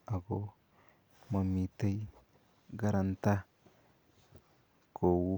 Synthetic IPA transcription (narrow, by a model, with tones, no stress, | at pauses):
a˨ɡo˦ | ma˨mi˨t̪e˦j | ɡa˦ɾa˨nt̪a˦ | ko˨wu˦